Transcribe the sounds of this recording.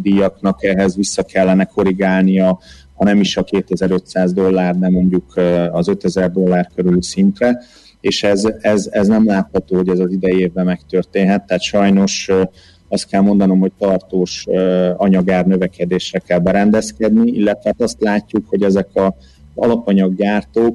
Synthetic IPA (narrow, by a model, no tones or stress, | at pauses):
d̪ijɒknɒkɛɦɛzvisːɒkɛlːɛnɛko̞ɾiɡaːlnijɒ | hɒnɛmiʃɒkeːt̪ɛzɛɾø̞t̪saːzd̪o̞lːaːrd̪ɛmo̞ɲɟukɒzø̞t̪ɛzɛrd̪o̞lːaːrkøɾylysint̪rɛ | eːʃɛzɛzɛznɛmlaːt̪hɒt̪oːho̞ɟɛzɒzid̪ɛjeːvbɛmɛkt̪ørt̪eːnɦɛt̪ːaːt̪ʃɒjno̞ʃ | ɒst̪kɛlmo̞nd̪ɒno̞mho̞c̚t̪ɒrt̪oːʃɒɲɒɡaːrnø̞vɛkɛd̪eːʃrɛkɛlbɛɾɛnd̪ɛskɛd̪niḭlːɛt̪ʋɛaːt̪ɒst̪laːcːukho̞ɟɛzɛkɒ | zɒ̰lɒpɒɲɒɡːaːrt̪oːk